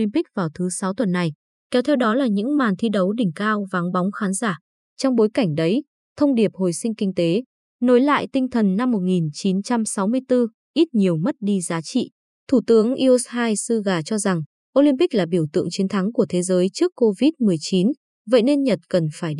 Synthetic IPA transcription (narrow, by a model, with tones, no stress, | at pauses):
li˧mpi˦˥k̟̚vaː˨˩wt̪ʰɨ˨˦sa˨˦wt̪wə˨˩nːa˨˩j | kɛ˨˦wt̪ʰɛ˧wɗɔ˨˦laː˨˩ɲɨ̰˧˥ŋmaː˨˩nt̪ʰi˧ɗə˨˦wɗï˨˩ŋ̟kaː˧wva˨˦ŋɓɔ˨˦wŋ͡mxaː˨˦nzaː˧˩ | t͡ɕɔ˧wŋ͡mɓo˨˦jka˧˩ŋ̟ɗə˨˦j | t̪ʰə˧wŋ͡mɗi˨˩əp̚ho˨˩jsï˧ŋ̟kï˧ŋ̟t̪e˨˦ | no˨˦jla̰ː˧˨jt̪ï˧ŋ̟t̪ʰə˨˩nːa˧mːo˨˩t̚ŋi˨˩nt͡ɕi˨˦nt͡ɕa˧msa˨˦wmɨ˧əjt̪ɨ˧ | ʔi˦˥t̚ɲi˨˩əwmə˦˥t̚ɗi˧zaː˨˦t͡ɕḭ˧˨ | t̪ʰu˧˩t̪ɨ˨˦əŋʔi˧ʔo˧˦˥shaː˧jsɨ˧ɣaː˨˩t͡ɕɔ˧za˨˩ŋ | ʔo˧li˧mpi˦˥k̚laː˨˩ɓi˧˩əwt̪ɨ̰˧˨ə˨ŋt͡ɕi˨˦ənt̪ʰa˨˦ŋku˧˩ət̪ʰe˨˦zəː˨˦jt͡ɕɨ˦˥əkːo˧vi˦˥t̚mɨ˨˩əjt͡ɕi˨˦n | və̰˧˨jne˧nɲə˨˩t̚kə˨˩nfaː˧˩jɗ